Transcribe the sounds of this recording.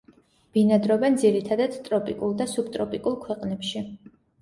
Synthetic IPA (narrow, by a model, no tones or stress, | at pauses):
b̥inad̪ɾɔbɛnd̪ziɾit̪ʰad̪ad̪t̪ʼɾɔpʼikʼulˠd̪asub̚t̪ʼɾɔpʼikʼulˠkʰwɛqʼnɛpʃi